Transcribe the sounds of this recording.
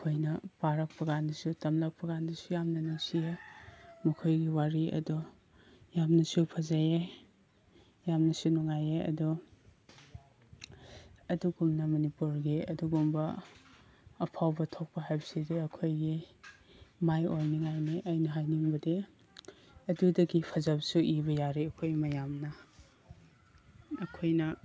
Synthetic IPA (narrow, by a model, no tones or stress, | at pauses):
ɐkʰojnɐpaɾɐk̚pɐɡandɐsutɐmlɐk̚pɐɡandɐsujamnɐnuŋsijemɐkʰojɡiwaɾiʔɐ̰dɔ | jamnɐsupʰɐzaje | jamnɐsunuŋajeɐ̰dɔ | ɐduɡumnɐmɐnipuɾɡiɐduɡumbɐ | pʰawbɐtʰok̚pɐɦajbɐsideɐkʰojɡi | majojniŋajniʔɐjnɐɦajniŋbɐde | ɐdudɐɡipʰɐzɐbsuʔiβɐjaɾiɐkʰojmɐjamnɐ | kʰojnɐ